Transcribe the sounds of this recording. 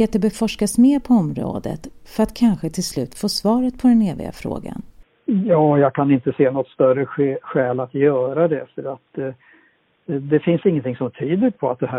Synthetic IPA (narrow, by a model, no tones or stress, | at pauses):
eːt̪ːəbɛfɔʂkasmeːɾpʰɔɔmɾo̰ːd̪ə̰t̪fœɾat̪kʰanɧət̪ʰɪlslʉ̟ːt̪foːsvɑːɾət̪̚pʰɔd̪ɛneːvɪ̰ɡa̰fɾo̰ːɡa̰n | jɑːjɑːkʰanɪnt̪əseːnɔt̪ːst̪œrəɧɛːlat̪jœːɾad̪ɛfəɾat̪ | d̪ɛfɪnsɪŋːənt̪ʰɪŋsɔmt̪ʰyːd̪əɾpʰɔat̪̚d̪ɛɦæ